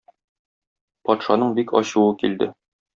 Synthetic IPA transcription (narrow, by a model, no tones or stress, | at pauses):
pɒt̪ʃɑnɤɴbikɒ̰ɕuwɤkild̪ɘ